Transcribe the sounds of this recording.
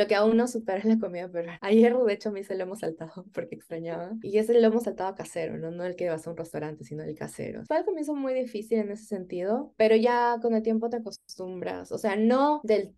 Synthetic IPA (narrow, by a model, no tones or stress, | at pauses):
lo̞keaunːosupe̞ɾaenlak̬o̞miðapeɾoajeruðet͡ʃomeiseloe̞mosalt̪aðopo̞ɾkeːkst̪ɾaɲaβaie̞seloemosːalt̪aðoakase̞ɾo̞̰no̞no̞elkeðeaseɾunrest̪awɾant̪e̞sino̞elka̰se̞̰ɾo̰feelko̞mjensomujðifisile̞ne̞sese̞nt̪ið̞o̞pe̞ɾo̞ʝako̞ne̞lt̪je̞mpo̞t̪eako̞st̪umbɾa̰sose̞ano̞ðe̞l